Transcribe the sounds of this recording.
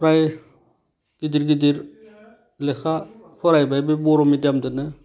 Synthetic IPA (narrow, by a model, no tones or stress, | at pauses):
pɾaj | ɡ̥id̪iɾɡid̪iɾ | lekʰa | pʰɔɾajbajbebɔɾɔmidjamdɯnɯ